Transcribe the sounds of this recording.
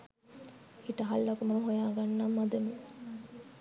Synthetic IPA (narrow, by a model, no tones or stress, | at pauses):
iʈəɦalːɐkumuɾuɦojaːɡanːamːad̪ɐme